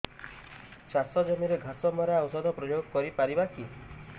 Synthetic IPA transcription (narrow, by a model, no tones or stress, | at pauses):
t͡ʃasɔd͡ʒɔmiɾeɡʱasɔmɔɾaːwsɔd̪ʱɔpɾɔjoɡɔkɔɾipaɾibaki